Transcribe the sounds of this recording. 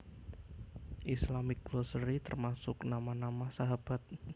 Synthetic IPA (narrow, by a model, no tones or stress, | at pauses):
ʔislamɪk̚ɡlosəɾit̪ərmasʊknamanamahsaɦab̥at̪̚